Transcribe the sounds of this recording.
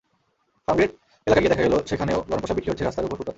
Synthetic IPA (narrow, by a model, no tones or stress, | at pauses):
famɡɾeʈ | elakaɡied̪ɛkʰaɡɛloʃekʰaneoɡɔnopoʃabikʰːiɦott͡ɕʰeɾast̪ʰaɾupoɾkuɾkat̪